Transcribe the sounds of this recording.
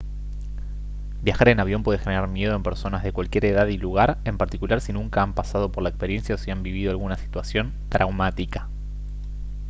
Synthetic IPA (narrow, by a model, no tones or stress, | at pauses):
bjaxaɾe̞naβjo̞mpwe̞ðexeneɾaɾmje̞ðo̞empe̞ɾso̞nazðe̞kwalkje̞ɾe̞ðaðiluɣ̞aɾempaɾt̪ikulaɾsinũŋkaampasað̞o̞poɾlaekspe̞ɾje̞nsjaosiambiβ̞iðo̞alɣunasi̥t̪wasjo̞nt̪ɾʔawmat̪ikḁ